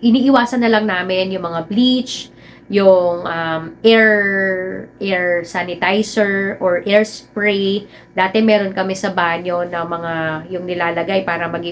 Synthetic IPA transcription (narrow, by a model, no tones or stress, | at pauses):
ʔɪniːʔɪwaːsɐnːɐlɐŋnaːmɪnjʊŋmɐŋablit͡ʃ | jʊŋʔɐmʔɛɹ | ʔɛɹsanɪt̪ajsɛɹʔoɹʔɛɹspɹe | d̪aːt̪ɛmɛːɾo̞nkɐmɛsɐbaːɲo̞nɐmɐŋajʊŋnɪlaːlɐɡajpaːɾɐmɐɡɪ